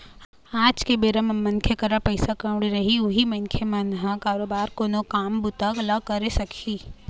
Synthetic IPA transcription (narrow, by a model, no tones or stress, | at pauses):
aːd͡ʒkebeːɾəmɐmːɐnkʰekɐɾəpɐɪsakəmɽiɾɐɦiʊɦimɐnkʰemɐnɦakaːɾoːbaːɾkoːnokaːmbʊt̪əɡɐləɡkɐɾesɐkʰiː